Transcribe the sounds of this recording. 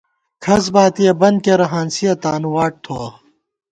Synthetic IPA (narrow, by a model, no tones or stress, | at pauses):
kʰɐs̬baːt̪ijɐbɐnd̪̚keɾɐɦaːnsijɐt̪aːnuwaːʈ̚t̪ʰoa